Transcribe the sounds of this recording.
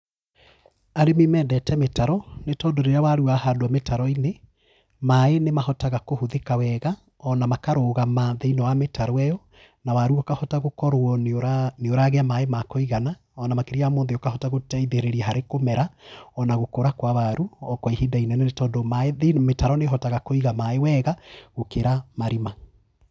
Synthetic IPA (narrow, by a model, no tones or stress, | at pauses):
aɾemimɛːndɛtɛmetaɾɔnetɔːndoɾeɾeawaɾuahadwɔmetaɾɔine | maenemahɔtaɣakohuðekawɛɣa | ɔnamakaɾoɣamaðeinɔwametaɾɔɛjɔ | nawaɾuɔkahɔtaɣokɔɾwɔɾaneoɾaːɣeamaemakoiɣana | ɔnamakeɾiamoːnðeɔkahɔtaɣotɛiðeɾeɾiɛɦaɾekomɛɾaɔnaɣokoɾakwawaɾuɔkwaiɦidainɛnenetɔːdomaeemetaɾɔneɦɔtaɣakoiɣamaewɛːɣaɣokeɾamaɾima